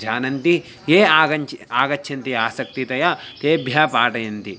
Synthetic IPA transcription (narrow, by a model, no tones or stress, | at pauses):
d͡ʒʱaːnɐnt̪i | jeːaːɡɐnt͡ʃaːɡɐtːʰɐnt̪iaːsɐk̚t̪it̪ɐjat̪eːbʱjaːpaːʈɐjɐnt̪i